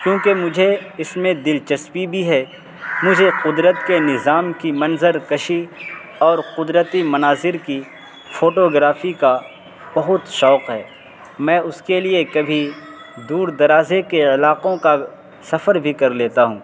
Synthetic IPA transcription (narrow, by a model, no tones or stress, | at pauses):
kjõːkemʊd͡ʒʱeɪsmẽd̪ɪlt͡ʃɐspibʱiɦɛː | mʊd͡ʒʱeqʊd̪ɾət̪kenɪzaːmkimɐ̃nzəɾkɐʃi | ɔːɾqʊd̪ɾət̪imɐnaːzɪɾki | foːʈoːɡɾaːfika | b̥ɐɦʊt̪ʃɔːqɦɛ̰ː | mɛ̃ːʊskeliekɐbʱi | d̪uːɾd̪ɐɾaːzekeɪlaːqõka | sɐfəɾbʱikɐɾleːt̪aɦṵ̃ː